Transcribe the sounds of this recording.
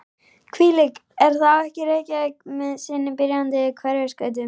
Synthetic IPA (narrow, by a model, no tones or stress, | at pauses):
kʰviːlɪk | ɛɾ̥θawɛhcɪɾeːjcaɛkmɛðsɪːnːɪpɪɾjant̪ɪkʰvɛɾjɛskœːɥt̪̬ʏ